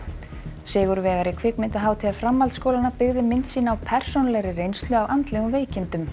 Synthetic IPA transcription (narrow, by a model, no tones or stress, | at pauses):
sɪːɣʏɾvɛːɣaɾɪkʰvɪkmɪnt̪aɦaːwt̪ʰɪafɾamːalt̪skowlanapɪɣðɪmɪnt̪siːnaːwpʰɛr̥sonalɛɣɾɪrejnst̪lʏavʔant̪lɛɣʏmveːjcɪnt̪ʏm